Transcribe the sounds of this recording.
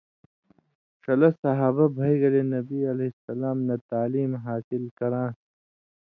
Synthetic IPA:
ʂɐlɐsɐɦaːbabʱɐjɡɐlenɐbiɐlɐsɐlaːmnɐt̪aːliːmɦaːsɪlkɐɾãː

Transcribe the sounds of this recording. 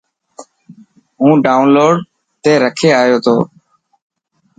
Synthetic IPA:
ɦũːɖaːʊnloːɖ | t̪eːɾəkʰeːaːjoːt̪ʰoː

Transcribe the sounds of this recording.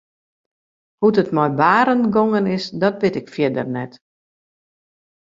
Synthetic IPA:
hutətmɔjbaːɾənɡoŋənɪsdɔt̚bɪtɪkfjɪdərnɛt

